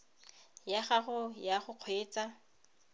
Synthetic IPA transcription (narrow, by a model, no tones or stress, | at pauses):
jaχaχʊjaχʊq͡χʰweːt͡sa